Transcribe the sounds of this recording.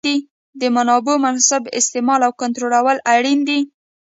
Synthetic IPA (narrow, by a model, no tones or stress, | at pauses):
i | d̪əmanɑbomansʊbɪ̰st̪emɑlawkʊnt̪ɾolawəlaɽind̪i